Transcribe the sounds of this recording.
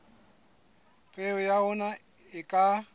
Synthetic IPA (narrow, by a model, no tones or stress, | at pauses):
ɣʼeʊjaʊna | ɪkʼa